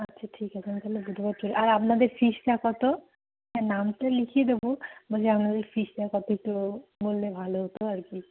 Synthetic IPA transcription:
atːɕʰaʈʰikat͡ɕʰent̪aɦlebud̪ʱbat̪̚t͡ʃoɾeʔaɾapnad̪eɾfiʃʈakɔt̪o | ɦɛ̃namʈalikʰied̪ebobaseapnad̪eɾfiʃʈakɔt̪oek̚ʈumolːebʱaloɦot̪oaɾki

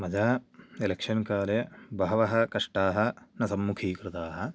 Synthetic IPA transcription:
mɐd͡ʒaːelekʂɐnkaːlebʱɐɦɐʋɐɦɐ̆kɐʂʈaːɦɐ̆nɐsɐmːukʰiːkɾɨt̪aːɦɐ̆

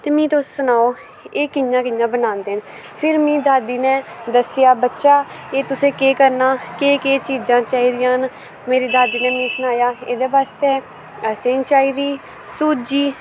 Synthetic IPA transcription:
t̪eːmĩːt̪ossənaːoː | eːkɪjãːkɪjãːbənãːnd̪eːɦən | pʰɪɾmĩːd̪aːd̪iːneː | d̪əsɪjaːbətːʃaː | eːt̪ʊsẽːkeːkəɾnaːkeːkeːt͡ʃiːd͡ʒãːt͡ʃaːiːd̪ɪjãːn | meːɾiːd̪aːd̪iːneːmĩːsənaːjaːeːd̪eːbaːst̪eː | əsẽːŋt͡ʃaːiːd̪iː | suːd͡ʒiː

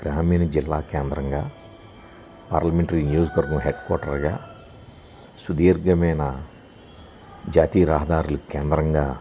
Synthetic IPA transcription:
ɡ̥ɾaːmiːnɐd͡ʒilːaːkɛːnd̪ɾɐŋɡaː | paːɾlɐmeɳʈɐɾiːnijoːd͡ʒɐkʋɐɾɡɐmɦeɖkɔːʈɐɾɡaː | sud̪iːɾɡɐmɐjnɐ | d͡ʒaːt̪iːɐɾaːɦɐd̪aːɾulukɛːnd̪ɾɐŋɡaː

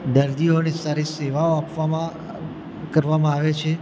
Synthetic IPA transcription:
ɖ̪əɾd̪ionesaɾeseʋaoapʋamã | kəɾʋamãaʋet͡ʃʰe

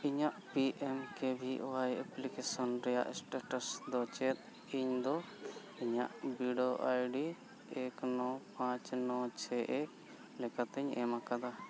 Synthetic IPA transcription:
iɲaʔpiʔɛmkɛbʱiʔɔwajɛplikɛsɔnɾɛja̰ʔsʈaʈasd̪ɔt͡ʃɛt̪̚ | iɲd̪ɔ | iɲa̰ʔbiɖoʔajɖi | ɛknɔpãt͡ʃnɔt͡ʃʰɛʔɛk | lɛkat̪ɛɲɛ̰makad̪a

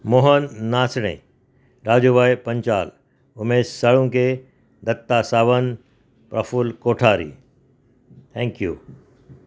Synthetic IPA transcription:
moːɦənːaːsɽ̃ḛ̃ː | ɾaːd͡ʒuːʋaːjpɐ̃ɲt͡ʃaːl | ʊmeːssɐɭũke | d̪ɐt̪ːasaːʋən | pɾɐfulkoːʈʰaːɾḭː | t̪ʰɛ̃ːŋkjṵː

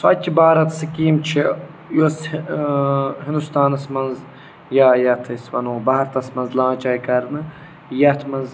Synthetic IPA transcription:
sa̰ːtʲʰːibaːɾɐt̪sɐkiːmt͡ʃʰi | jos | ɦɪ̃nd̪ust̪aːnɐsmɐnz | jajɐt̪ʰɐsʋɐnoːbɐɦɐɾt̪ɐsmɐnzlãːt͡ʃaːjkɐɾnɨ | jɐt̪ʰmɐnz

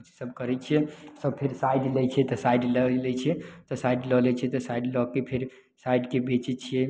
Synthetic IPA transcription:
t͡ʃi̥səbkəɾɛt͡ʃʰijɛsəbpʰeɾsajɖlɛt͡ʃʰɛt̪ɔsajɖləlɛt͡ʃʰɛt̪ɔsajɖlɔlɛt͡ʃʰɛt̪ɔsaiɖlɔkepʰeɾ | sajɖkebet͡ʃɛt͡ʃʰiɛ

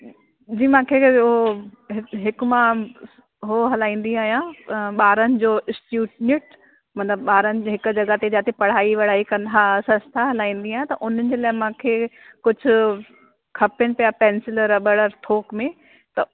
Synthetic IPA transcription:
d͡ʑiːmãːkʰeɦoɦɪɦɪkmã | ɦoɦɐlaːĩːn̆d̪iaːɦjãɓaːɾənɪ̆d͡ʑoːɪsʈjuːʈnɪʈ | mɐt̪ləbɓaːɾənɪ̆d͡ʑɦɪkd͡ʑɐɡat̪ed͡ʑaːt̪ʰepɐɽ̤aːiʋɐɽ̤aːikɐ̃nd̪ʱasɐ̃nst̪ʰaɦɐlaːĩːnd̪iaːj̃t̪ɐʔʊn̤ənɪ̆d͡ʑeːlaːɪmãːkʰeː | kʊd͡ʑʱʊ̆ | kʰɐpɪnɪ̆pijapɛ̃ːnsɪləɾɐɓəɽəɾt̪ʰoːkmẽ | t̪ɐ

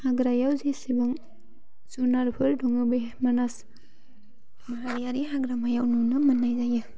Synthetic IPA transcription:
haɡɾajawzesibɯŋ | zunaɾpʰɯɾduŋɯbemanas | maɾaɾjaɾiɦaɡɾamajawnunɯmənːajzajɯ

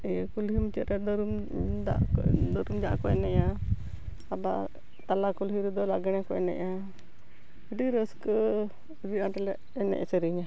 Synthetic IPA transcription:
jkulhimt͡ʃət̪ɾɛd̪ɔɾum | d̪a̰d̪ɔɾumd͡ʒaʔa̰kɔɛnɛʔa | aba̰ | t̪alakulɦiɾud̪ɔlaɡɛnakɔɛnɛ̰ʔa | əɖiɾəskə | ɾiaʈɛlɛʔ | ɛnɛ̰ʔat͡ʃəɾiɲa

